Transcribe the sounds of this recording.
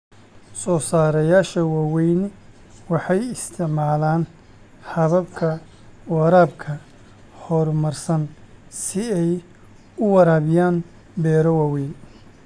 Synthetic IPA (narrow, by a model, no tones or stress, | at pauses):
sɔːsaːɾɐjaːʃɐwaːwɛjnɪ | wɑħɑjɪst̪ʰɪʕmaːlaːn | hɐβɐbkʰɐ | wɑɾaːbkʰɐ | hɔrmɐrsɐnsɪɛj | ʊwɑɾaːβɪjaːn | bɛːɾɔwaːwɛjn